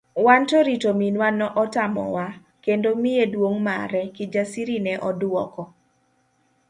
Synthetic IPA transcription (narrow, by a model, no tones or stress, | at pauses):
wantoɾitominwanɔʔɔtamɔ̰wa | kendomɪedwoŋma̰ɾɛkɪd͡ʒasiɾinɛʔɔdwɔ̰kɔ